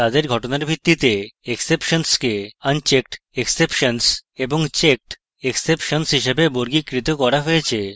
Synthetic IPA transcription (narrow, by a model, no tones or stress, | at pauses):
t̪ad̪eɾɡʱɔʈonaɾbʱɾit̪ːit̪eeksepʃonskeənt͡ɕek̚ʈ | eksepʃonseboŋt͡ɕek̚ʈ | eksepʃonsɦiʃebeboɾɡikɾit̪okɔɾaɦojet͡ɕʰe